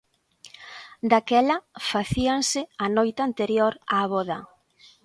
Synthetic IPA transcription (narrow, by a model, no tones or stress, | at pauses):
d̪akɛlɐfaθiansɪanɔjt̪ant̪eɾjoɾaβɔðɐ̰